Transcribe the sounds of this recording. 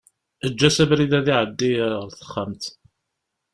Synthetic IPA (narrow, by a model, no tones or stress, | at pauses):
əd͡ʒːæsæbɾiðæðiʕəd̪ːijɾəɾθə̥χːəmt̪